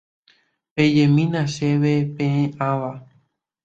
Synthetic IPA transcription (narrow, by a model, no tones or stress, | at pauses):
ped͡ʒẽmĩnãʃeʋepẽẽʔãʋa